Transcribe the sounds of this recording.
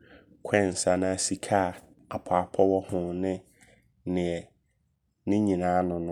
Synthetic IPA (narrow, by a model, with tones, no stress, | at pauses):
kʷʰɛ˦˨n̩˨sa˨nã˦a˨si˨kʰa˦˨ | a˨pʰaː˨˦pʰɔ˦wɔ˦hʊ̃˨nɪ̃˦ | nɪ̃˨ɛ˨ | nɪ̃˦ɲĩ˨nãː˨˦nʊ̃˨nʊ̃˦